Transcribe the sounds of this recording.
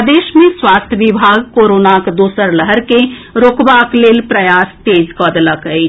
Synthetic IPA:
d̪eːʃmẽswaːst̪ʰjəʋɪbʱaːɡkoːɾoːnakd̪uːsəɾləɦəɾkeɾoːkbakleːlpɾɐjaːst̪eːd͡ʒkɔːd̪lakəi

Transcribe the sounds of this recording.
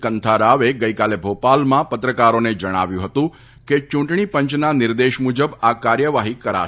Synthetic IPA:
kənt̪ʰaɾaʋeɡəikalebʱopalmãpət̪ɾəkaɾoned͡ʒəɽ̃a̰ʋjũɦət̪ũ | ket͡ʃũɳʈɳ̃ipə̃ɲt͡ʃnanɪɾd̪eʃmud͡ʒəbakaɾjəʋaɦikəɾa̰

